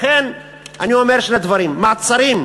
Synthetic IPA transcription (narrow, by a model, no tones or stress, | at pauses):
χen | a̰niome̞ʁʃne̞d̪vaɾimːaːt͡saɾim